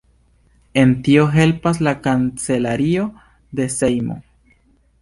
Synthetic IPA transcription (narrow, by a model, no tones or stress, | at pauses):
e̞ntio̞ɦe̞lpas̬lakant͡se̞laɾio̞ | de̞sejmo̞̰